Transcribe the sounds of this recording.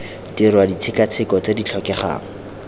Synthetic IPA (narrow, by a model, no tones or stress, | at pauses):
tirwadit͡sʰɪkat͡sʰɪkɔt͡sedit͡ɬʰɔkɛχa̰ːŋ̩